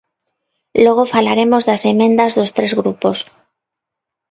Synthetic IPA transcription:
lwe̞ɣ̞ofalaɾe̞mo̞zðase̞mẽ̞nd̪azðo̞st̪ɾe̞zɣɾupo̞s

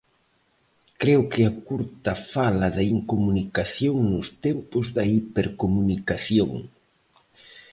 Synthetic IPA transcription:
kɾewkɪɐkuɾt̪ɐfalɐðɐiŋkomunikaθjoŋnʊst̪empʊzðɐipeɾkomunikaθjoŋ

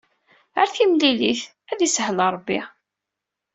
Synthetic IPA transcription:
əɾθimliliθ | æðishələɾˤbːi

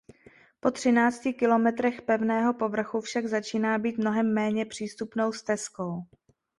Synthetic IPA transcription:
po̞t̪r̝̥ɪnaːt͡scɪkɪlo̞mɛt̪ɾɛxpɛvnɛːɦo̞po̞vr̩xufʃaɡzat͡ʃiːnaːbiːt̪mno̞ɦɛmːɛːɲɛpr̝̥iːst̪upno̞wst̪ɛsko̞w

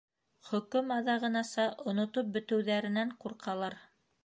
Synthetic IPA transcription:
χɵ̆kɵmɑðɑʁɤ̆nɑsɑʔŏnŏt̪op̚bɵ̆t̪ɘ̆wðæɾɘ̆næɴquɾqʰɑlˠɑɾ

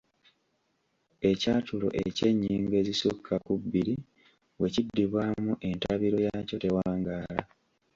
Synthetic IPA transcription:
e̞catulo̞̰ʔece̞ɲːiːŋɡe̞zisukʰːakubːiɾi | we̞cidːiβwamuʔe̞ntaβiɾo̞jaːco̞te̞waːŋɡaːla

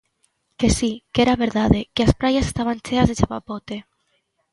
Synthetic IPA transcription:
kesikeɾaβeɾðaðekeaspɾajasest̪aβant͡ʃeazðet͡ʃaβapot̪e

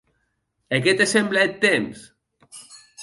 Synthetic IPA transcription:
eket̪esemblaet̪ːems

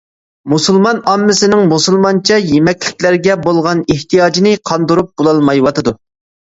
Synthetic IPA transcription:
musulˠmɑnɑmːɪsɪnɪŋmusulˠmɑnt͡ʃʰɛjemɛkʲlɪkʲlæɾɡʲɛbolˠʁɑneht̪ijɑd͡ʒinɪqʰɑnd̪uɾup̚b̥olˠɑlˠmɑjwɑt̪ʰɨd̪u

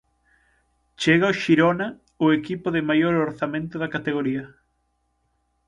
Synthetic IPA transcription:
t͡ʃeɣaoʃiɾonɐ | ʊekipʊðɪmajoɾoɾθamẽnt̪ʊðɐkat̪eɣoɾiɐ

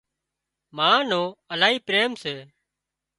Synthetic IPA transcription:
maːnõːəlaːɦiːpɾeːmseː

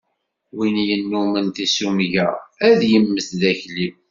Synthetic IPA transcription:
winjənːumənt̪isumʝææðjəmːəθðæçlim

